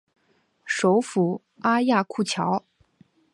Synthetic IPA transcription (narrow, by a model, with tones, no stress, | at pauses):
ʂo˧˥ʊfu˨˩˦ | a˥ja˥˧kʰu˥˩t͡ɕʰjɑ˧˥ʊ